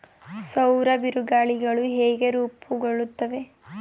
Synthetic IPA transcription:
sɐwɾɐbiɾuɡaːɭiɡɐɭuɦeːɡe̞ɾuːpuɡoɭːut̪ːɐʋe̞

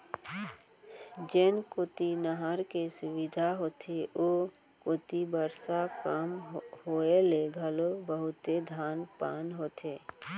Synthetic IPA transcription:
d͡ʒenkot̪inəɦəɾkesʊʋɪd̪ʱaɦoːt̪ʰeʔo | kot̪ibəɾsakamhoːeleɡʱəlobəɦʊt̪ed̪ʱaːnpaːnɦoːt̪eː

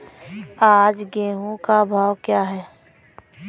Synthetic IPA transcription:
aːd͡ʒɡeːɦũkabʱaːwkjaːɦɛː

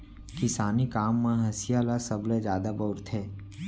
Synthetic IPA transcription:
kɪsaːnikaːmːẽɦɐsɪjalasɐblezjaːd̪abɐːʊɾt̪ʰɦɛː

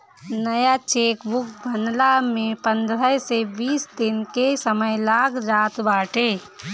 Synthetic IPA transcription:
nəjat͡ʃeːkbʊkbʱənlamẽpə̃nd̪ɾəsebiːsd̪ɪnkesəməjlaːkʰɾaːt̪baːʈe

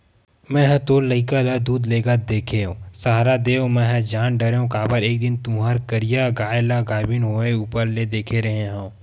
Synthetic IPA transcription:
mɛ̃ːɦɛ̃t̪oːlːɐɪkalad̪uːd̪leːɡad̪eːkʰeɦõːsaːɦɾad̪eːõmɛ̃ɦɛ̃d͡ʒaːnɖɐɾõkaːbəɾeːk̚d̪ɪnt̪ũːɦaɾkəɾijaɡaːelaɡaːbɪnɦoːeuːpəɾled̪eːkʰeɾɐɦeɦãõ

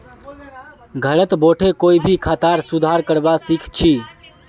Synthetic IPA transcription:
ɡʱəɭət̪boʈʰekoːibʱikʰat̪aɾsud̪ʱaɾkəɽʋasikʰt͡ʃʰi

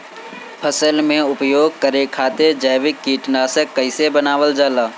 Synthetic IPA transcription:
pʰəsəlmẽʊpjoːɡ̚kəɾekʰaːt̪eɾd͡ʒəːʋɪkːiːʈnaːsəkːəɪsebənaːʋəld͡ʒaːlaː

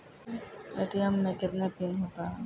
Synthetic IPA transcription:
bḛːʈijəmːẽkɪt̪nepɪnɦoːt̪aɦɛ̃ː

